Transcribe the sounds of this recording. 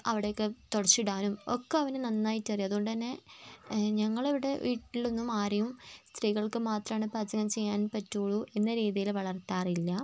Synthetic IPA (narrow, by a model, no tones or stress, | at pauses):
ɐʋiɽe̞jokːet̪oɽɐt͡ɕːiɽaːnumokːeɐʋɐnɨnɐnːaːjitːɐrijɐðuɣoɳɖɨt̪ɐnːe̞ | ɲɐŋːɐɭeʋiɽe̞ʋiːʈːilo̞nːumaːɾijumst̪riːɣɐɭkɨmaːt̪rɐmaːɳɨpɐd͡ʑɐŋɐmt͡ɕe̞jːaːnpɐtːoːɭuʔe̞nːɐɾiːðijilʋɐɭɐrt̪aːrilːɐ